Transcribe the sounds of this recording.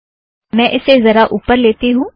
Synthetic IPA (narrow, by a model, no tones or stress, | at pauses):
mɛ̃ːʔɪsezɐɾaʔuːpəɾleːt̪iɦũː